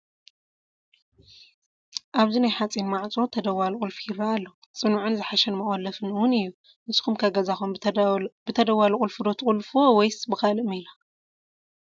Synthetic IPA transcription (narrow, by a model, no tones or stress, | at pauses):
ʔaβzinajħat͡sʼinmaʕt͡sʼo̞t̪ʰɐd̪ɐwalukʼɨlfujiɾaːlːo | t͡sʼɨnuʕʊnzɨħaʃɛnmɐχʼɐlɐfɨnɨwʊnɨjːu | ʔɨsɨ̥xumkʰaɡɐzaxumbɨt̪ʰɐd̪ɐwaluχʼɨlfɨd̪o̞t̪ʰɨkʼulfowɔjsbɨkalɨmila